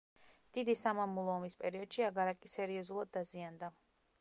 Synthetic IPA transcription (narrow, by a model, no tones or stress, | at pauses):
d̪̥id̪isamamulˠɔːmispʼɛɾiɔd̪̥ʃiaɡaɾakʼisɛɾiɔzulˠad̪ːaziand̪a